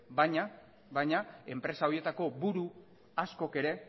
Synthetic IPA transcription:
bajɲa | βajɲae̞mpɾe̞sao̞ie̞t̪ako̞buɾu | asko̞ke̞ɾe̞

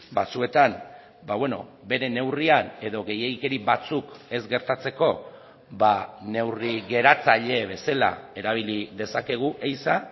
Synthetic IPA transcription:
bat͡sue̞t̪an | baβwe̞no̞̰be̞ɾe̞ne̞wriane̞ðo̞ɣe̞jeɣike̞ɾiβat͡suke̞zɡe̞ɾt̪at͡se̞ko̞ | bane̞wriɣe̞ɾat͡saʎe̞β̞e̞sela̰e̞ɾaβ̞iliðe̞sake̞ɣ̞uʔejsa

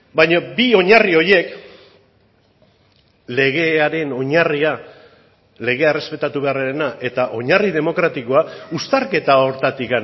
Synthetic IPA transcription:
bajɲabio̞ɲario̞je̞k | le̞ɣ̞e̞aɾe̞no̞ɲaria | le̞ɣe̞aere̞spe̞t̪at̪uβe̞areɾenaʔe̞t̪aʔo̞ɲarið̞e̞mo̞kɾat̪iko̞aust̪aɾke̞t̪ao̞ɾt̪at̪ika

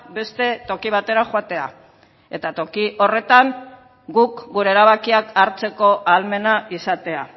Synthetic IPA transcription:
be̞st̪e̞t̪o̞kiβ̞at̪e̞ɾaxwat̪e̞a̰ | e̞t̪at̪o̞kiʔo̞re̞t̪aŋ | ɡukɡuɾe̞ːɾaβakiakaɾt͡se̞ko̞ʔalme̞naisat̪e̞a

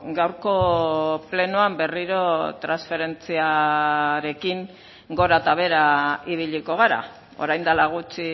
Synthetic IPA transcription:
ɡawɾko̞ple̞nuambe̞riɾo̞t̪ɾansfe̞ɾe̞nt͡sia | ɾe̞kiŋ | ɡo̞ɾat̪aβ̞e̞ɾaiβiʎiko̞ɣ̞aɾa̰ | o̞̰ɾajnd̪alaɣ̞ut͡si

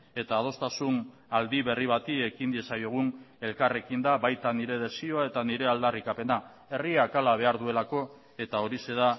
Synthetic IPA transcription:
e̞t̪aːð̞o̞st̪asun | ald̪iβe̞riβ̞at̪ie̞kind̪iesajoɣ̞une̞lkare̞kind̪aβajt̪aniɾe̞ð̞e̞sio̞ae̞t̪aniɾe̞ald̪arikape̞na | e̞riakalaβ̞e̞aɾðue̞lako̞ | e̞t̪ao̞ɾise̞ða

